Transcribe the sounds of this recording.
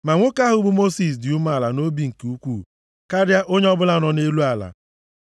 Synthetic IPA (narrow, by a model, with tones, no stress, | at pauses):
ma˨ŋʷo˦ka˦ɦʊ˨˦bu˦mo˦si˨s̬dɪ˨u˦ma˦˨la˨no˦bi˦˨ŋ̩˨ku˦kʷuː˦˨ | ka˦ɾja˦ʔo˦ɲe˦ɔ˦bʊ˦la˦˨nɔ˨ne˦lu˦a˨la̰˨